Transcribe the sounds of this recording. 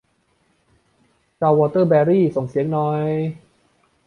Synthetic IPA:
t͡ɕaː˧wɔː˧t̪ɤ˥˩bɛː˧ɾiː˥˩so˨˩ŋsi˨˩˦əŋnɔː˦˥j

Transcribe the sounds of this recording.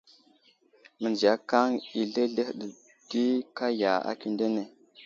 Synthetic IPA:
mə˨nd͡ʒi˨a˨˦ka˦ŋi˨ɮe˦ɮe˦hɗə˨ | d̥i˦ka˦ja˨a̰˨ki˦nde˦ne˨

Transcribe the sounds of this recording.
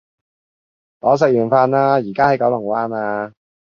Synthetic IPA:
lɔː˨˧˥s̬ɛ˨k̚jyː˨˩nfaː˧nlaː˥jiː˨˩kaː˥hɐ˨˥jkɔ˨˥wlʊ˨˩ŋwaː˥naː˧

